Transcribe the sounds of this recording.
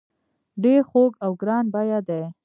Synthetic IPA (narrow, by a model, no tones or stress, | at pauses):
ɖeɾxoɡawɡɾɑnbajad̪ej